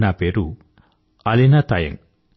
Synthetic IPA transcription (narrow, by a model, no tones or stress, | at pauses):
napeɾu | ɐlinat̪ɐjɐ̰ŋ